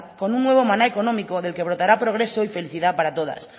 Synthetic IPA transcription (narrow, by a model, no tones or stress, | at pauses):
ko̞nunːwe̞β̞o̞mãnaeko̞nõ̞mikoðe̞lke̞β̞ɾo̞t̪aɾapɾo̞ɣ̞ɾe̞so̞ife̞liθiðapaɾat̪o̞ð̞a̰s